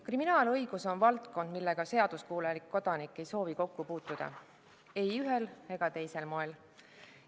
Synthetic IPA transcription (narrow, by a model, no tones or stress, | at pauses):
kriminɑːlɤjɡ̥uso̞nvɑlt̪ko̞nd̪̥milːe̞ɡ̥ɑse̞ɑd̪̥uskuːlelikːo̞d̪̥ɑnikːˑe̞jso̞ːviko̞kːupuːt̪ːˑud̪̥ɑ̰ | e̞jyɦe̞le̞ɡ̥ɑt̪e̞jse̞lmo̞e̞l